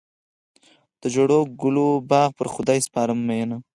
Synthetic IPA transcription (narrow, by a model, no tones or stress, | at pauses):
d̪̥əd͡ʒoɽoɡʊlobɑɣpəɾxʊd̪ɑjspɑɾəmːajena